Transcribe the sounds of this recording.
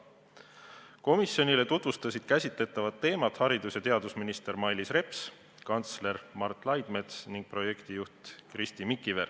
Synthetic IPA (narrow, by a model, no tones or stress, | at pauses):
ko̞misjo̞nile̞t̪ut̪vust̪ɑsʲid̪̥kæsʲit̪le̞t̪ːˑɑvɑt̪ːe̞ːmɑt̪hɑɾid̪usjɑt̪e̞ɑd̪usminist̪e̞ɾmɑjlisre̞ps | kɑnt̪sle̞ɾmɑrt̪ːˑlɑjd̪̥me̞t̪sniŋɡ̥̚pro̞je̞kt̪ijuht̪krist̪imikːˑiver